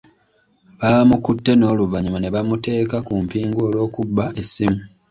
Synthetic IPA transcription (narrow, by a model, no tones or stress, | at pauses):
βamukutːe̞no̞ːluvaɲumane̞βamute̞ːkakumpiːŋɡooːlo̞ːkubːaʔe̞simu